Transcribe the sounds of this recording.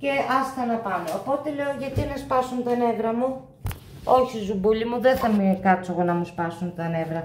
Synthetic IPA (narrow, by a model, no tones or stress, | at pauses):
ce̞ʔɐsθɐnɐpɐmeopo̞t̪e̞le̞oʝɐt̪inɐspɐsunt̪ɐne̞vɾɐmu | o̞çizubulimuðeθɐmekɐt͡soɣonɐmuspɐsunt̪ɐne̞vɾɐ